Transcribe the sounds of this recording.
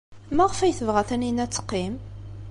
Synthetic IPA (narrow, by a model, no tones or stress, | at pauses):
mæʁəfæjθəvʁæθæninæt͡sːə̥qːim